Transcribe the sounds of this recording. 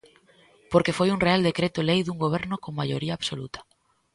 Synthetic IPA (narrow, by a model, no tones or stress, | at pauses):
poɾkefojuŋreald̪ekɾet̪ʊlejðuŋɡoβ̞ɛɾnʊkoŋmajoɾiaːβsolut̪ḁ